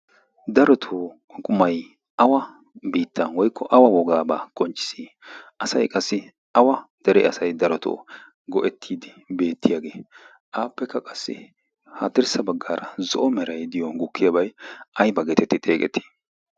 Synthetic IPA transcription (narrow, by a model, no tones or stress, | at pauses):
d̪ɐɾɔt̪ʰoː | kʼʊmɐj | ʔɐwɐ | biːt̪ʰːɐnwɔjkʰːɔʔɐwɐwɔɡaːbaːkʼɔnt͡ʃːɪ̥siː | ʔɐsɐjkʼɐsːɪ | ɐwɐd̪̥ɛɾɛ̰ʔɐsɐjd̪ɐɾɔt̪ʰo̰ː | ɡɔʔɛt̪ʰːiːd̪ɪ | be̞ːt̪ʰːɪjaːɡeː | ʔaːpːɛkːɐkʼɐsːɪ̰ | hat̪ːɪɾsɐbɐɡːaːɾɐzɔʔɔmɛɾɐjd̪ɪjɔɡʊkʰːɪjabɐjʔɐjbɐɡɛt̪ɛt̪ːɪt̪ʼeːkʼɛ̰t̪ːi̥ː